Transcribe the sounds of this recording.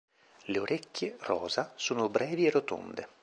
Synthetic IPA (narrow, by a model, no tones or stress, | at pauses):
leoɾekːerɔ̰ːzasuːnʊbɾʔɛːviɛrːot̪o̰nd̪ḛ